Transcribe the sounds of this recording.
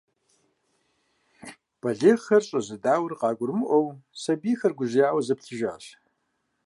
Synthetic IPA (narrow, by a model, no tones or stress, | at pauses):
b̥ɐɮeχɐrɕʼɐzɨdaːwrqɑːɡʷʊrmɨʔʷɔwsɐbiːxɐrɡʷʊʑjaːwɐzɐpɬʰɨʒa̰ːɕ